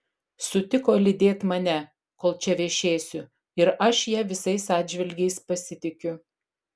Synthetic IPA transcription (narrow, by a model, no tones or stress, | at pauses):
sʊt̪ʲɪkoːlʲɪd̪ʲeːt̪mɐnʲɛ | koːlˠt͡ʃʲɛʋʲeːʃʲeːsʲʊ | ɪɾɐʃjiːʋʲɪsɐɪsɑːd̪ʲʒʲʋʲɪlʲɡʲɛɪspɐsʲɪt̪ʲɪkʲʊ